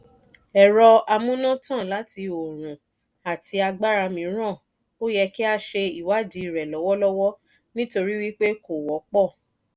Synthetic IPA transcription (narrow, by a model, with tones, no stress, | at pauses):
ɛ˨ɾɔ˧a˧mũ˦nã˦tã˦˨la˨˦ti˧o˨ɾ̃ũ˨ | a˨ti˧a˧ɡ͡ba˦ɾa˧mĩ˨˦ɾ̃ã˦˨ | o˦jɛ˧ki˦a˧ʃe˧i˨wa˦d͡ʒi˧˦˨ɾɛ˨lɔ˨˦wɔ˦lɔ˦wɔ˦ | nĩ˦to˧ɾi˦wi˦k͡pe˦ko˦˨wɔ˨˦k͡pɔ˦˨